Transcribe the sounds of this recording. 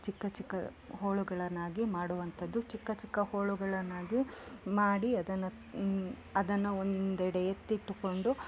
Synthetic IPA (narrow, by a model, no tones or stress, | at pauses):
t͡ʃikːɐt͡ʃikːɐ̰ | hoːɭuɡɐɭɐnːaːɡimaːɽuʋɐnt̪ʰɐd̪ːut͡ʃikːɐt͡ʃikːɐhoːɭuɡɐɭɐnːaːɡimaːɽiɐd̪ɐnːɐ | ɐd̪ɐnːɐond̪ɛɽɛjet̪ːiʈːuko̞ɳɖu